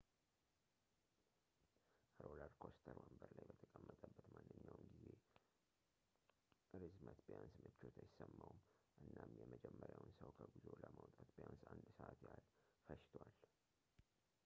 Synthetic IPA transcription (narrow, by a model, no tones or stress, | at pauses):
ɾoləɾkʰost̪ʰəɾwəmbəɾlajbət̪ʰəkʼəmːət̪ʼəbːət̪manːɨɲːawmɡize̞ | ɾɨzmət̪bjansmət͡ʃːot̪ʰajɪsəmːawmʔɨnːamjɛməd͡ʒɛmːəɾjawnsəwkʰəbizoləmawt̪ʼat̪bjansand̪səʔat̪jalfəʃt̪ʰwal